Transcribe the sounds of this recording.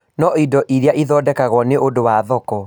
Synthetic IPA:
nɔidɔʔiɾeaʔiðɔdɛkaɣwɔneʔodowaðɔkɔ

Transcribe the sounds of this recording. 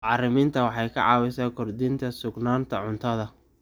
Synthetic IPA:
ɑːrɪmɪːnt̪ʰɐwɑħɑjkʰɐ̰ʕɑ̰ːwɛsaːkʰɔrd̪ɪnt̪ʰɐsʊɡnaːnt̪ʰɐʕʊnt̪ʰɐðɐ

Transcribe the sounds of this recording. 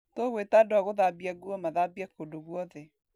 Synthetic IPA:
toɣwetadoaɣoðabiaɡuɔmaðabiakodoɣwɔðɛ

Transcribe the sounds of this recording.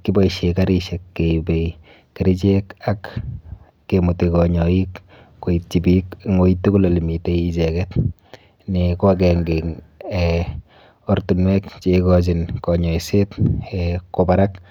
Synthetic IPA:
kibɔiʃekaɾiʃɛkːebei | keɾit͡ʃekakː | emutikɔɲɔikː | oit̚t͡ʃibikŋoitːukulolimiteit͡ʃɛkɛt | nikɔk̬ɛŋɡeŋɛ | ortunwɛkt͡ʃekɔt͡ʃ̬inkɔɲɔisetɛkobaɾak

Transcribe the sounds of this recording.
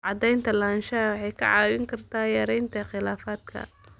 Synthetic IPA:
ʕɑd̪ɛjnt̪ʰɐlaːnʃɐɐwɑħɑjkʰɐ̰ʕɑːwɪŋkʰɐrt̪ʰaːjɐɾɛjnt̪ʰɐχɪlaːfaːd̪̚kʰɐ̰

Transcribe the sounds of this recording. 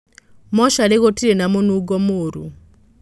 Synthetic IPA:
mɔʃaleɣotiɾenamonuɡɔmoːɾṵ

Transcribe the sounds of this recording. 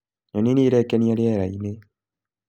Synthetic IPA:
ɲoniniːɾeːkːeniaɾieːɾaine

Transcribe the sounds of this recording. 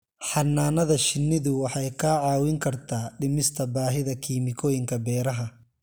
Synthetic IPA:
ħɑnːaːnɐðɐʃɪnːɪðʊwɑħɑjkʰaʕɑːwɪŋkʰɐrt̪ʰaːɖɪmɪst̪ʰɐbaːɦɪðɐkʰiːmɪkʰɔːjɪŋkʰɐbɛːɾɐɦɐ

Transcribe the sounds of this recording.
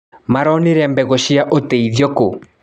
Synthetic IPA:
maɾɔneɾɛmbɛɣɔʃiaʔoteiðjɔko

